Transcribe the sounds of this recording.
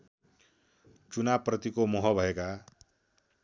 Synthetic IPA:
t͡sunabprʌt̪ikomɔɦʌbʱʌeka

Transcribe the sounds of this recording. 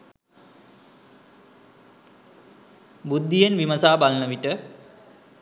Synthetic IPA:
bud̪ʱːijenʋimɐsaːbalnəʋiʈə

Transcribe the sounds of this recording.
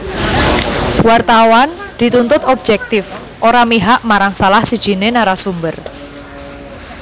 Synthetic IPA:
wart̪awand̪̥i̤t̪unt̪ʊt̪ɔb̚d͡ʒɛk̚t̪ɪf | ʔoɾamiɦaʔmaɾaŋsalahsid̥ʒ̥i̤nenaɾasumbər

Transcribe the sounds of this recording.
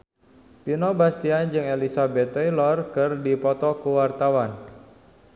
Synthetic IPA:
pinɔbast̪iand͡ʒɨŋelisabɛt̪ːjlɔrkɨrdipɔt̪ɔkuwart̪awan

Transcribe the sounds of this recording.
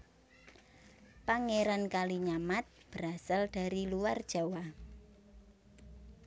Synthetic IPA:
paŋeɾankaliɲamat̪̚b̥əɾasald̥a̤ɾiluward̥ʒ̥a̤wa

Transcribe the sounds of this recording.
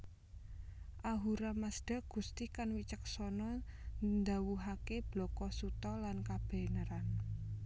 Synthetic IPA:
ʔaɦuɾamasd̥a̤ɡ̥ṳst̪ikanwit͡ʃəksɔnɔnd̪a̤wuɦakeb̥lɔ̤kɔsut̪ɔlankab̥ɛ̤nəɾan

